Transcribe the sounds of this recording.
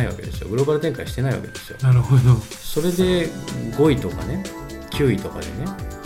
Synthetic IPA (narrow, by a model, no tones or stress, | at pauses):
aiβa̰ke̞d̪e̞sɨjo̞ɡɯ̟ɾo̞ːbaɾɯ̟t̪ẽ̞ŋkaiɕi̥t̪e̞naiβa̰ke̞d̪e̞sɨ̥jo̞̰naɾɯhod̪o | so̞ɾe̞d̪e̞ɡo̞it̪o̞ka̰ne̞ | kʲʰɨːit̪o̞ka̰d̪e̞ne̞